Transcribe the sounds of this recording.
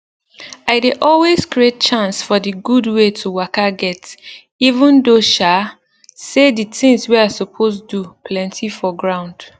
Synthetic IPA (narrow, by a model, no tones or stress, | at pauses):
aɪdeʔɔlweskɹiet̚t͡ʃãnsfɔdiɡudwetʰuwakaɡɛt | ivũndoʃa | seditɪ̃ŋswiasɔpʰosdupʰlɛ̃ntʰifɔɡɹãʊ̃nd̥